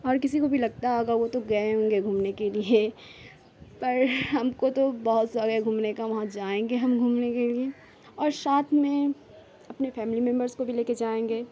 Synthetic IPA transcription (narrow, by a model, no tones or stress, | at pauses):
ɔːɾkɪsikobʱilɐɡ̚t̪aɦoɡaʋot̪oɡɐeɦõŋɡeɡʱuːmnekelie | pɐɾɦɐmkot̪obɐɦʊt̪saɡəɡʱuːmnekaʋɐɦãd͡ʒaːẽːŋɡeɦɐmɡʱuːmnekelie | ɔːɾsaːt̪ʰmẽ | ɐpnefɛːmɪlimɛ̃mbəɾskobʱileːked͡ʒaːẽːŋɡeː